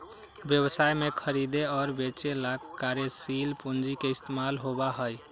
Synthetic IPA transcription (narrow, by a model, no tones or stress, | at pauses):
bjəβəsajmekʰəɾid̪eɔɾbet͡ʃelakkːaɾesilpund͡ʒikeist̪emalɦobaɦəj